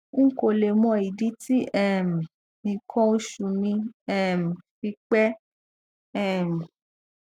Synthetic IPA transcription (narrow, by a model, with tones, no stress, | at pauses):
ŋ̩˦ko˨le˨mɔ̃˧i˨di˦ti˦ɛ˦˨m˨ | nĩ˨kʰɔ̃˦o˦ʃu˨mĩ˧ɛ˦˨m̩˨fi˧k͡pɛ˦ | ɛ˦˨m˨